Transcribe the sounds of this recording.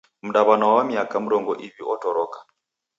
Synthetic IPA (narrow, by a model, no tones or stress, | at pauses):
m̩ɗaβanawawamiakam̩ɾɔŋɡɔʔiβiʔɔtɔɾɔkḁ